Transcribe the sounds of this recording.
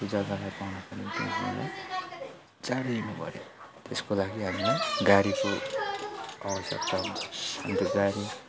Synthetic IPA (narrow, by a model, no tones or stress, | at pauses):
tud͡zaɡalajpawnapʌnit̪ḛ̃kʰã̰la̰j | d͡zaɾeinupʌ̰ɾjḛt̪eskolaɡiɦamileɡaɾiko | abʌsʌ̰kt̪aɦũnʰhamit̪oɡaɾi